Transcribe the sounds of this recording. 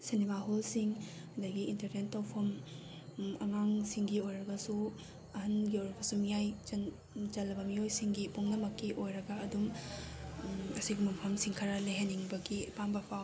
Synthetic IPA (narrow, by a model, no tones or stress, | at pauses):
senimaɦolsiŋ | ɐdɐɡiintɐɾnentːapʰɐm | ɐ̰ŋaŋsiŋɡiojɾɐɡɐsu | ɐhɐnɡiojɾɐbɐsumijajt͡ʃɐn | t͡ʃɐlːɐbɐmiojsiŋɡipuŋnɐmɐkːiʔojɾɐɡɐːdum | ɐsiɡimɐmpʰɐmsiŋkʰɐɾɐleɦeniŋbɐɡipambɐpʰaw